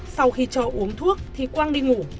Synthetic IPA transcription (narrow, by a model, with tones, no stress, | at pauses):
sa˧wxi˧t͡ɕɔː˨˩ʔu˨˦əŋt̪ʰu˦˥ək̚t̪ʰi˨˩kwaː˧ŋɗi˧ŋu˧˩